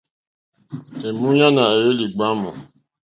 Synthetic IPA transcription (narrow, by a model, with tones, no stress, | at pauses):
e˨mũ˦ɲa˦na˨je˦li˨ɡ͡ba˦mu˨